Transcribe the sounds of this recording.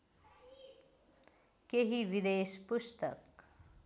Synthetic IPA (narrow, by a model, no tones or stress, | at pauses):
keɦiʋid̪eːspust̪ə̰k